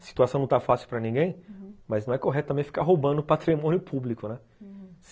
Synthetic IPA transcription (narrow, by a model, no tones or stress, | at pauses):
ɐsi̥t̪uasɐ̃w̃ñw̃t̪afasɪwpɾɐnĩɡẽj̃mɐznɐ̃w̃ɛkoɦɛt̪t̪ɐmẽj̃fi̥kaɦowbɐ̃d̪ʊpat̪ɾimõnjʊpʰublikʊnɛ | s